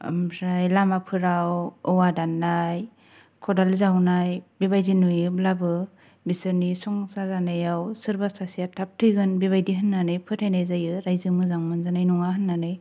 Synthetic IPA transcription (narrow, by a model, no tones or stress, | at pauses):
mɾajlamapʰɯɾawɔwadanːaj | kʰɔdalzawnajbibajzinujɯblabɯ | bisɯɾnisɔŋsazanɯjawsɯɾbasasijatʰap̚tʰɯjɡɯnbiβajdiɦɯnːanɯjpʰɯtʰajnajzajɯɾajzɯmɯzaŋmɯnzanajnuŋaɦɯnːanɯj